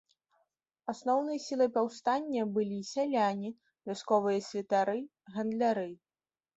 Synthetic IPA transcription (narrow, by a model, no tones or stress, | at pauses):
asnɔwnɨjɐsʲilˠɨpawst̪anʲːɐbɨlʲisʲalʲanʲi | vʲaskɔvɨjɐsʲvʲɛt̪aɾɨ | ɣɐnd̪lʲaɾɨ